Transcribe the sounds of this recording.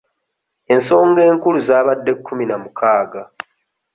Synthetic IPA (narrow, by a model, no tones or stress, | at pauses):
e̞nso̞ːŋɡe̞ːŋkuluzaːβadːe̞kʰːuminamukʰaːɡa